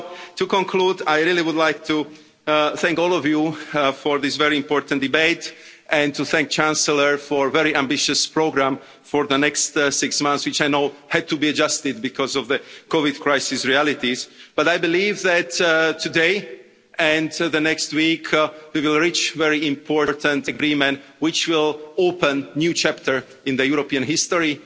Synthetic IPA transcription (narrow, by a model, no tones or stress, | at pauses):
t̪ukɔ̃ŋkʰlud̪ajɹiliwud̪lajk̚t̪ʰu | θɛ̃ŋkɔlɔvjufɔɹðisvɛɹiĩmpɔɹt̪ãnd̪ibeɪt̪ | ʔɛ̃nt̪uθɛ̃ŋk̚t͡ʃæ̃nsələɹfɔɹvɛɾiʔãmbiʃəspɹoɡɾãm | fɔɹðənɛkst̪sɪksmãnθswit͡ʃajnoʊhɛd̪̚t̪ubiad͡ʒast̪ɪd̪̚bikʰɔzɔvðəkɔvid̪kʰɹajsɪsɹiælit̪izb̥atajbilivðættʰːudeɪ | ʔɛ̃nðənɛkst̪wikʰwiwɪlˠɹit͡ʃvɛɹiɪ̃mpʰɔɹɹt̪ə̃nt̪əɡɾimɛ̃ntwɪt͡ʃwɪlopə̃nnjut͡ʃæp̚t̪ʰəɹ | ɪ̃nðəjuɾopiãnɦɪst̪ɔɹi